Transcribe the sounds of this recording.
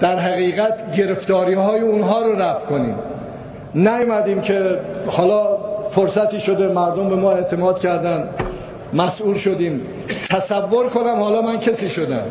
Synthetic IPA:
d̪̥æɾɦæɣiːɣæt̪ʰɟe̞ɾe̞ft̪ɒːɾiːhɒːjeunɦɒːɾoɾæfkʰonḭːm | næjmæd̪iːmcʰe̞hɒːlɒːfoɾsæt̪ʰiːʃod̪e̞mæɾd̪ombe̞mɒːe̞ʔt̪ʰe̞mɒːd̪̥cʰæɾd̪ænd̪ | mæsʔuːlʃod̪iːm | t̪ʰæsævːoɾkʰonæmhɒːlɒːmæncʰesiːʃod̪æ̰m

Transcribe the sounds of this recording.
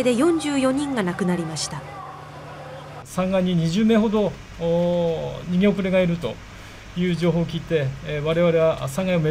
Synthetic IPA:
ed̪e̞jõ̞ɲ̟d͡ʑɨːjo̞ɲ̟ĩŋɡanakɯ̟naɾʲimaɕi̥t̪a | sãŋɡaiɲ̟iɲ̟iʑɨːme̞ːɦo̞d̪o̞ | ɲ̟iɡʲeopɯɾeɡaiɾɯ̟t̪o̞̰ | jɯ̟ːʑo̞ːɦo̞ːkʲiːt̪e̞βaɾe̞βaɾe̞βasãŋɡaiome

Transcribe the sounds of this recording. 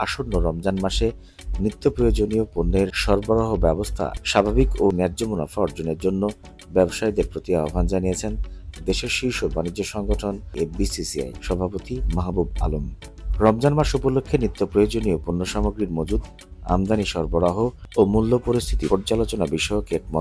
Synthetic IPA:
aʃonːoɾɔmd͡ʑanmaʃe | nɾit̪ːopɾojod͡ʑoniopunːeɾʃɔɾboɾaɦobɛbost̪ʰa̰ʃabʱabikonɛɾd͡ʑomuna̰fɔɔɾd͡ʑoneɾd͡ʑonːo | bɛboʃajd̪eɾpɾot̪iaobʱand͡ʑanijet͡ɕʰend̪eʃeɾʃiʃobanid͡ʑːoʃɔŋɡoʈʰonebisisia̰jʃɔbʱapot̪imaɦbuba̰lom | ɾɔmd͡ʑanmaʃupolokʰːenɾit̪ːopɾojod͡ʑoniopunːoʃamoɡɾiɾmod͡ʑud̪ | a̰md̪aniʃɔɾboɾaɦoomulːopoɾist̪ʰit̪ipoɾd͡ʑalot͡ɕonabiʃɔokeʈ̚mɔ

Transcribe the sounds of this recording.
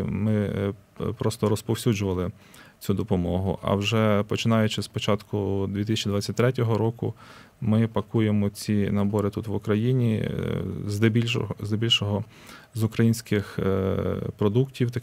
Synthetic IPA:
mɪ | pɾɔst̪ɔɾɔspɔwsʲud͡ʒʊʋɐlˠɪ | t͡sʲud̪ɔpɔmɔɦʊ̰ʔɐ̰wʒɛpɔt͡ʃɪnɑjʊt͡ʃɪspɔt͡ʃɑt̪kʰʊd̪ʲʋʲit̪ɪsʲɐt͡ʃid̪ʋɑt͡sʲːɐtʲt̪ɾɛt̬ʲɔɦɔɾɔkʊ | mɪpɐkujemɔt͡sʲinɐbɔɾɪt̪ut̪ʋʊkɾɐjinʲi | zd̪ɛbʲizd̪ebʲilʲʃɔɦɔ | zʊkɾɐjinʲsʲkɪx | pɾɔd̪uktʲiwt̪ɐ

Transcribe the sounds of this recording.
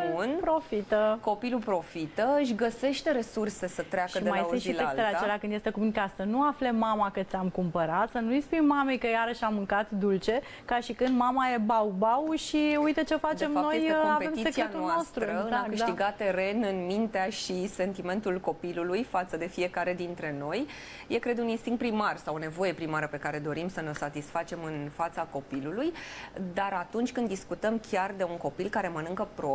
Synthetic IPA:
unpɾofit̪əko̞pilupɾo̞fit̪əɨʃ̬ʲɡəse̞ʃt̪e̞ɾe̞surse̞sət̪ɾeaʃkəiemajsɨnilesst̪eleat͡ʃe̞leakɨnd̪je̞st̪e̞kuminkasənuafle̞mamakɨt̪sʲamkumpəɾat̪sənujspujmmame̞jkəjaɾəʃamɨŋkat̪d̪ult͡ʃe̞ | kaʃikɨnd̪mamaje̞bawbawʃiujt̪ət͡ʃe̞fat͡ʃdt͡ʃ̪emfao̞jejseeoavpeemisekskieanulonaost̪ɾuɾəɨnakɨʃiɡat̪e̞ɾe̞nɨnmint̪eaʃise̞nt̪ime̞nt̪ulko̞pilulujfat̪səd̪e̞fije̞kaɾe̞d̪int̪ɾe̞no̞j | je̞kɾe̞d̪uninst̪iŋkt̪pɾimarsawone̞vo̞je̞pɾimaɾəpe̞kaɾe̞d̪o̞ɾimsəneo̞sat̪isfat͡ʃe̞mɨnfat̪sako̞pilulujd̪aɾat̪unt͡ʃʲkɨnd̪iskut̪əmkʲard̪e̞unko̞pilkaɾe̞mənɨŋkəpɾo

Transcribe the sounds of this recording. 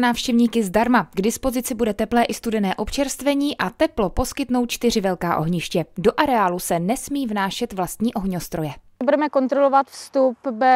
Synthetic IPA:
naːfʃcɛvɲiːkɪzdaɾmaɡdɪspo̞zɪt͡sɪbudɛt̪ɛplɛːʔɪst̪udɛnɛːʔo̞pt͡ʃɛɾst̪vɛɲiːʔat̪ɛplo̞po̞skɪt̪no̞wt̪̚t͡ʃt̪ɪrɪvɛlkaːʔo̞̰ɦɲɪʃcɛdo̞ʔaɾɛaːlusɛnɛsmiːvnaːʃɛt̪vlast̪ɲiːʔo̞ɦɲost̪ɾo̞jɛ | budɛmɛkont̪ɾolovat̪fst̪upbɛ

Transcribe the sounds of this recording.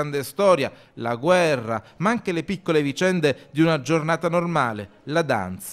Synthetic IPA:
and̪est̪ɔːɾja̰ | la̰ɡwɛrːa̰maaŋk̟elepikːolevit͡ʃɛnd̪ed̪iunad͡ʒornaːt̪anormaːlḛ | lad̪a̰nt̪s

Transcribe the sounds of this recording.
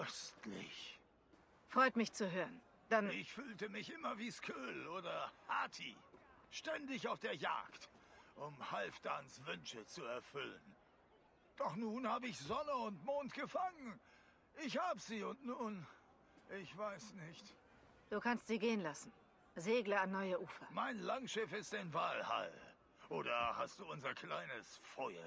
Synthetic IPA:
ʔœstlɪ̰ç | fʁ̥ɔʏtmɪçt͡suɦøːʁən | d̥anɪçfyːltəmɪçʔɪmɐviːskʰøːlʔoːdɐhaːtʰi | ʃtɛndɪçaʊfd̥eːɐja̰ːktʔʊmhalfd̥ansv̥ʏnʃət͡suɛɐfʏlə̰n | d̥ɔχnuːnhaːbəɪçz̥ɔnəʊntmoːntɡ̥əfaŋən | ʔɪçhaːbəziːʊntnuːn | ʔɪçv̥aɪsnɪçt | d̥uːkʰanstz̥iːɡeːənlasn̩ | zeːɡlɐanːɔʏəʔuːfɐmaɪnlaŋʃɪfɪstaɪnvaːlha̰l | ʔoːɾɐhast̚d̥uːʊnzɐkʰl̥aɪnəsfɔʏɐ̰

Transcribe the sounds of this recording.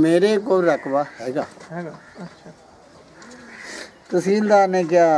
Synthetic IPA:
meːɾeːkoːɾəkʰʋaːhɛːɡaː | t̪ʊsĩːld̪aːnẽːk̬ɪaː

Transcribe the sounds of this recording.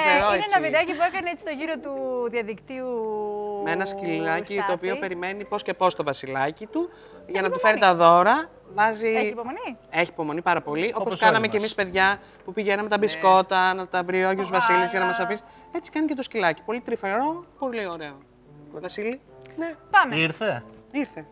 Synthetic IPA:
eɾoeɐvinɐcipuekɐneet͡si̥t̪oʝiɾot̪uðiɐðikt̪iumeenɐskilɐcit̪o̞ːpio̞pe̞ɾime̞nipo̞sce̞po̞st̪o̞vɐsilɐcit̪u | ʝɐnɐt̪ufe̞ɾit̪ɐðo̞ɾɐ | vɐziipomonie̞çiːpo̞mo̞nipɐɾɐpo̞liʔo̞poskɐnɐmecemispe̞ðʝɐ | pupiʝenɐmet̪ɐbisko̞t̪ɐnɐt̪ɐvɾiojɐt̪uzvɐsilizʝɐnɐmɐsɐfis | e̞t͡si̥kɐnicet̪oscilɐci̥po̞lit̪ɾife̞ɾo̞po̞lio̞ɾe̞o | vɐsili | nepamiɾθeiɾθe̞

